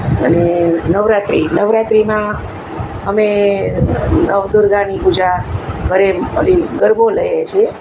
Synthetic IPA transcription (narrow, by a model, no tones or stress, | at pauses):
ənenəʋɾat̪ɾinəʋɾat̪ɾimã | ɦəme | nəʋd̪uɾɡanipud͡ʒakəɾeəliɡəɾboləjat͡ʃʰie